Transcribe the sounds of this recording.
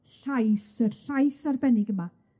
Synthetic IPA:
ɬajsərɬajsarbɛnɪɡəma

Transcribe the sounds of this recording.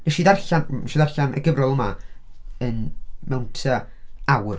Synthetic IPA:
nɛʃiːdarɬanɛʃidarɬanʔɛ̰ɡəvrɔlˠəma | ənmɛwntʰa | awr

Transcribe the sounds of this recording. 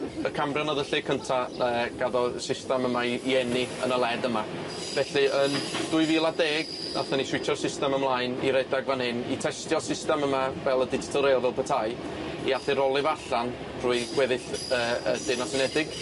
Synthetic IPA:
əkʰamrjanɔðəɬɨkʰəntʰaəɡ̥aðɔsɪstɛməmaiɛniə̰nəlˠɛdəma | vɛɬɨʔənd̥ʊɨjviːlˠadeːɡ | na̰θɛniswɪtʰɔr̥sɪstɛməmlˠaɨnḭɾɛdaɡvanhɪnḭtʰɛstjɔsɪstɛməmavɛlˠədɪdɪ̥tʰɔɾelˠvɛlˠpʰətʰaj | iaθɪɾɔlˠɨvaɬan | r̥uːɨɡ̥wɛðɨɬəːəd̥ɪːnasɪnɛdɪɡ̥

